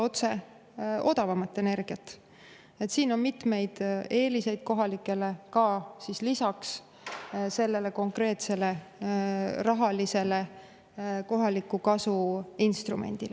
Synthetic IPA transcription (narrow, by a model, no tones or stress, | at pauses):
o̞t̪se̞ | o̞d̪ɑvɑmɑt̪ːe̞ne̞rɡ̥iɑt̪ː | et̪siːno̞nmit̪me̞jd̪̥e̞ːlise̞jd̪̥̚ko̞ɦɑlikːˑe̞le̞kɑsislisɑks | se̞lːe̞le̞ko̞ŋkre̞ːt̪sele̞ | rɑɦɑlise̞le̞ | ko̞ɦɑlikːˑukɑsuinst̪rume̞̰nʲd̪̥ile